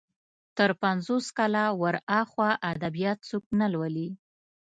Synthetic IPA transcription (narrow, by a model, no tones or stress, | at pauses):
t̪əɾpanzoskɑlawəɾɑxwaʔad̪abijɑt̪̚t͡suk̚nalwəli